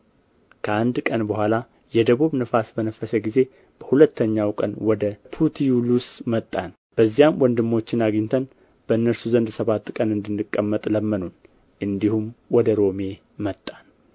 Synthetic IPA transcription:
kʰəand̪kʼənbəhʷala | jɛd̪əβuβnɨfasbənəfːəsəɡize̞ | b̥əhulət̪ːəɲːawkʼə̰nwɔd̪əpʰut̪ʰijulusmət̪ʼːan | b̥əzːijamwɔnd̪ɨmːo̞t͡ʃːɪnaɡiɲt̪ʰən | b̥əɨnːəɾsuzənd̪səβat̪ːkʼənɨnd̪ɨnːɨkʼːəmːət̪ʼləmːənun | ʔɨnd̪ihumwɔd̪əɾo̞me̞ | mət̪ʼːan

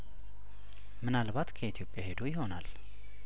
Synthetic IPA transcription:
mɨnalbat̪kʰəit̪ʰjo̞pʼjahe̞d̪ojɪɦo̞nal

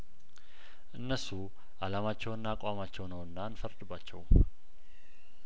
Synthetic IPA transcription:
ʔɨnːəsu | ʔalamat͡ʃːɛwɨnːakʷʼamat͡ʃːɛwnəwɨnːanfəɾd̪ɨbːat͡ʃːɛ̰w

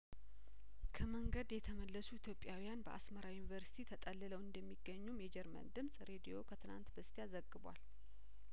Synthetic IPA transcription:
kʰəməŋɡəd̪jɛt̪ʰəməlːəsuit̪ʰjo̞pʼjawijanbəʔa̰sməɾawjunivəɾsi̥t̪ʰit̪ʰət̪ʼəlːɨləwɨnd̪əmːiɡːəɲːumjɛd͡ʒɛɾmə̰nd̪ɨmsʼɾe̞d̪ijo̞kʰət̪ʰɨna̰nt̪bəst̪ʰeazəɡːɨbwa̰l

